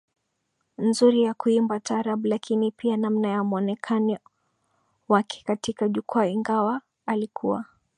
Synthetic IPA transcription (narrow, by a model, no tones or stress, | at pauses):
nzuɾijakuimbataɾaɓulakʰinipianamnajamuɔnɛkʰani | wakʰɛ̥katikaʄukuaiŋɡawaː | likʰua̰